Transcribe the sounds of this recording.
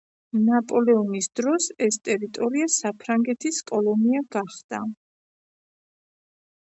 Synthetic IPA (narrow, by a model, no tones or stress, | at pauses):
napʼɔlɛɔnisd̪ɾɔsɛst̪ʼɛɾit̪ʼɔɾiasapʰɾaŋɡɛt̪ʰiskʼɔlˠɔniaɡaχd̪̥a